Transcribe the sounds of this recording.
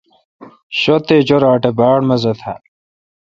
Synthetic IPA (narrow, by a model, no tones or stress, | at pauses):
ɕot̪eːd͡ʑoɾaːʈebaːɽmɐzɐt̪ʰa̰